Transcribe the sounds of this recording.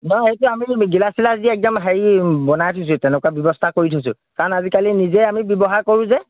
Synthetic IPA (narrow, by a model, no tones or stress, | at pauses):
nɔjejtʊamiɡilasilaziɛk̚dɔmɦaɹibɔnajtʰus̬ʊ̃tɛnɛkwabjɔbɔstʰakoɹitʰus̬ʊ̰̃ | kaɹɔnazikalinizɛamibjɔbɔɦaɹkoɹʊ̃zɛ